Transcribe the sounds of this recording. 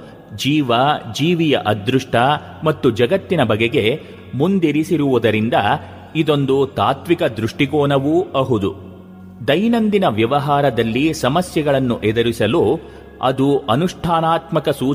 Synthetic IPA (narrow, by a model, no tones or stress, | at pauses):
d͡ʒiːʋɐd͡ʒiːʋijɐ̰ʔɐd̪ɾuʂʈʰɐ | mɐt̪ːud͡ʒɐɡɐt̪ːinɐbɐɡeɡe̞ | mund̪iɾisiɾuʋud̪ɐɾind̪ɐ | id̪o̞nd̪ut̪aːt̪ʋikɐd̪ɾuʂʈiɡoːnɐʋuɐɦud̪u | d̪ɐjnɐnd̪inɐʋjɐʋɐɦaːɾɐd̪ɐlːisɐmɐsjɐɡɐɭɐnːuʔɛd̪ɐɾisɐlu | ɐ̰d̪uɐnuʂʈʰaːnaːt̪mɐkɐsuː